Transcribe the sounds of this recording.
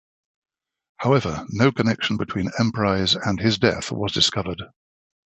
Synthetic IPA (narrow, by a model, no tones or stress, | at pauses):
haʊɛvənəʊkʰənɛkʃə̃n̩bɪtʰw̥ĩnɛ̃mpʰɹ̥aɪzə̃nɪzdɛ̰θwɒ̰zdɪskʌvəd̥